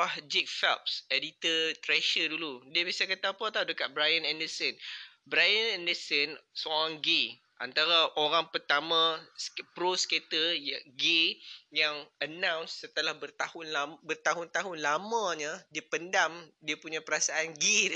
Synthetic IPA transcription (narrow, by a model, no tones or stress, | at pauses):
ahd͡ʒik̚fɛlp̚sedit̪ət̪ɾɛʃəduludiəbiasakət̪apat̪adəkat̪̚bɾajanɛndəsən | bɾajənɛ̃ndəsənsoɾãŋɡe | ʔa̰nt̪aɾaʔoɾaŋpərt̪amãspɾosket̪əjaɡejaŋənãwnsːət̪əlahbərt̪ahʊnlabərt̪aɦʊnt̪aɦʊnlamãɲadiəpəndamdiəpuɲãpəɾasaanɡe